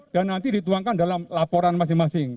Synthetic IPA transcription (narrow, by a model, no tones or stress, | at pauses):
d̥anːant̪idit̪uaŋkandalamlapɔɾanmas̬ɪŋmasɪŋ